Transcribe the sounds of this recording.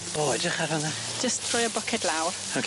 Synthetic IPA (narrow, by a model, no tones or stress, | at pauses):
b̥oːɛd͡ʒəχaɾɔnḁ | d͡ʒəstʰr̥ʊjəbɔkʰɛdlawr | okʰ